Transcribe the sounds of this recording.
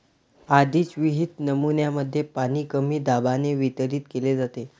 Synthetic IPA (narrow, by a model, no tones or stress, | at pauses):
ad̪ʱit͡sʋiɦit̪nəmunjaməd̪ʱːjepaniːkəmiːd̪abaneʋit̪əɾiːt̪keled͡zat̪e